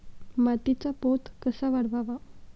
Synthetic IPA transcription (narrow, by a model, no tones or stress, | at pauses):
mat̪it͡sapot̪kəsaʋaɽʋaʋa